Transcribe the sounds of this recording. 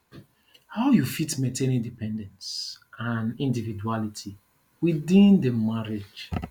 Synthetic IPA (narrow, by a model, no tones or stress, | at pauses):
haʊjufitmẽntʰẽnĩndipɛ̃ndɛ̃nsãnĩndividualitʰi | widĩndəmaɹed͡ʒ